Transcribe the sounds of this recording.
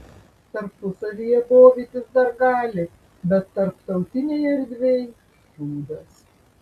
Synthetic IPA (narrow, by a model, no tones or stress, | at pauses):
t̪ɐɾppʊsɐʋʲijɛboːʋʲiːt̪ʲɪsd̪ɐɾɡɑːlʲɪ | bʲɛt̪ːɐɾpt̪ɐʊt̪ʲɪnʲɛjɐɾʲd̪ʲʋʲɛj | buːd̪ɐs